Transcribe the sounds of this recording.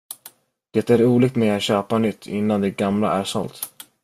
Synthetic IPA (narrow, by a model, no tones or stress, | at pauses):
d̪̥ɛt̪æɾuːlɪːk̚t̪mɛat̪ɕøːpanʏt̪ʰːɪ̰nːand̪ɛɡamla̰æɾʂɔ̰lt̪